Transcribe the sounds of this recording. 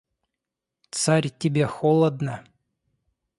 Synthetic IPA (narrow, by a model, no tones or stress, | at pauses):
t̪saɾʲtʲɪbʲexolˠəd̪nə